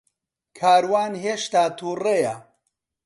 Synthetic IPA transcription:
kʰaːɾwaːnɦeːʃt̪aːt̪ʰuːreja

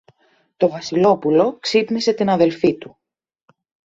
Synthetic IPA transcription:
t̪o̞vɐsilo̞pulo̞ksipnise̞t̪inɐðe̞lfit̪u

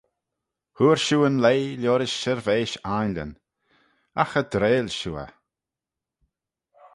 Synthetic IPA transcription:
huːɾʃuːənleːjljoːɾɪʃːɛɾveːʃajnlʲə̰n | axəd̪ɾeːlʲʃuːə̰

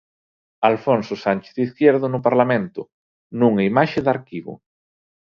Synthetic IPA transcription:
alfonsʊsanʲt͡ʃe̥θðiθkjɛɾðʊnʊpaɾlamẽnt̪ʊ | nuŋɐimaʃɪðaɾkiβʊ̰

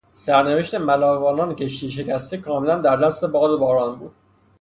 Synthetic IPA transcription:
sæɾneve̞ʃt̪e̞mælɒːvɒːnɒːnceʃt̪iːʃ̬e̞cæst̪ekʰɒːme̞lænd̪æɾd̪æst̪e̞bɒːd̪ebɒːɾɒːnbuːd̪̥

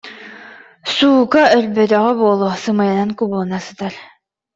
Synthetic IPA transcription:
suːkaœlbœt̪œʁɛbuɔlˠusɯmajanankublˠnasɯt̪aɾ

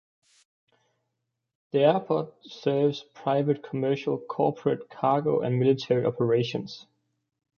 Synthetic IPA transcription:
ðiæpʰɔd̚sɜːvz̥pʰɹ̥aɪvət̚kʰəmɜˑʃəlˠkʰɔːpʰɹətkʰɑːɡoʊʔə̰̃nmɪlɪtʰɛɹiɒpʰəɹeɪʃə̃nz̥

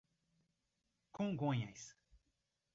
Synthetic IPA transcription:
kõŋɡõɲɐjs

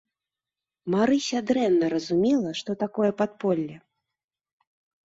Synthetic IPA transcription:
maɾɨsʲad̪ɾɛnːɐɾɐzumʲɛlˠɐʂt̪ɔt̪akɔjɛpat̪̚pɔlʲːɛ

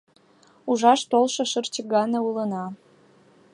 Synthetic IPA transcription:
uʒɑʃt̪olʃɤ̆ʃərt͡ɕəɡɑneulənɑ

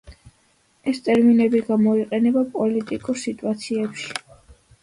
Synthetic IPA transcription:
ɛst̪ʼɛɾminɛbiɡamɔiqʼɛnɛbapʼɔlit̪ʼikʼuɾsit̪ʼuat̪sʰiɛpʃi̥

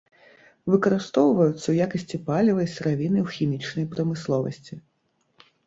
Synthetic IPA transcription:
vɨkɐɾɨst̪ɔwvɐjut̪sːɐwjakɐsʲt͡sʲipalʲivɐjsɾavʲinɨwxʲimʲit͡ʂnɐjpɾɐmɨslˠɔvɐ̰sʲt͡sʲi

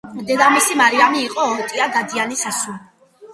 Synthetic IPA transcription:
md̪ɛd̪amisimaɾiamiːqʼɔɔt̪ʼiaɡ̪ad̪ianisisu

